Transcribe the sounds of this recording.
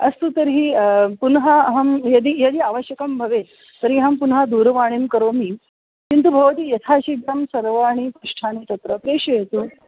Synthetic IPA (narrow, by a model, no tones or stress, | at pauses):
ɐst̪ut̪ɐɾɦiːpunɦɐɦɐmjɐd̪iːjɐd̪iːaːʋəɕjɐkɐmbʱɐʋe | t̪əɾɦiːɦɐmpunɦɐd̪uːɾʋaːɳ̃imkɐɾomiː | kint̪ubʱɐʋɐt̪iːjɐt̪ʰaːɕiɡɾamsɐɾʋaːɳ̃ipɾuʂʈʰaːɽ̃it̪ɐt̪ɾɐpɾeːʂɐjet̪uː